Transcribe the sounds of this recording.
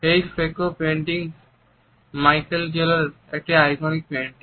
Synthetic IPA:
ejfekopeɳʈiŋ | majkeld͡ʒelaɾ | ek̚ʈiajɡɔnik̚peɳʈi

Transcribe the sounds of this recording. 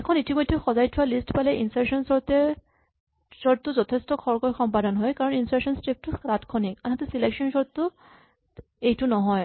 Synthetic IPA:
ɛkʰɔnitimojdʱːɛxɔzajtʰʊwalistpalɛʔinsaɹsɔnsɔɹtɛ | sɔɹt̚tːʊzɔtʰɛstɔkʰɔɹkɔjxɔmpadɔnɦɔjkaɹɔninsasɔnstep̚tʊɹatkʰɔnikanɦatɛsileksɔnsɔɹʊ | ejtʊnɔɦɔj

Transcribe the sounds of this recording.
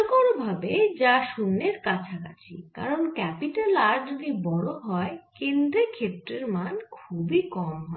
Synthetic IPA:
koɾbʱabed͡ʑaʃunːeɾkat͡ɕʰaka̰t͡ɕʰḭka̰ɾonkɛpiʈalaɾɖod̪ibɔɽoɦɔekend̪ɾekʰep̚ɾeɾmankʰubikɔmɦɔ

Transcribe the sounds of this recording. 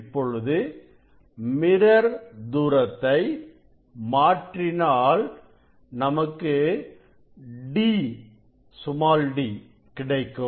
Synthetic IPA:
pːɔɻɯðɯ | mɪɾɐɾd̪uːɾɐt̪ːɐɪ | maːʈrɪnaːl | nɐmɐkːɯ | ɖiː | sʊmaːlɖi | kɪɽɐɪkːɯ

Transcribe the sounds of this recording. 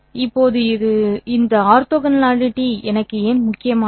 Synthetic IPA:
ɪpːoːðɯɪðɯɪnd̪ɐaːɾt̪oːɣɐnlaːɻɪʈːiɛnɐkːɯeːnmʊkːɪjɐmaː

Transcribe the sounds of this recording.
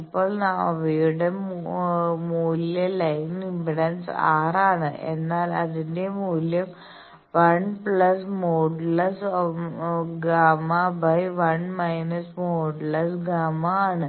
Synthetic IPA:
ipːoːɭnaɐʋejuɽe | muːliɐlɐjnimbiɽɐnsaːraːɳɨʔḛnːaːlɐðindemuːljɐm | ʋɐɳplɐsmoːɖlɐs | ɡaːmabɐjʋɐɳmɐjnɐsmoːɖlɐsɡaːmaːɳɨ

